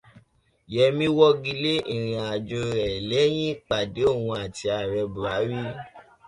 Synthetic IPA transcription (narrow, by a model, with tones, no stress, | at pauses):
jɛ˧˦mĩ˦wɔ˦ɡi˧le˦ʔĩ˦˨ɾ̃ĩ˧a˨d͡ʒo˧ɾɛ˨lɛ˨˦j̃ĩ˦k͡pa˨de˨˦o˦˨wũ˧a˨ti˧a˨ɾɛ˧bu˨ɾa˨˦ɾi˦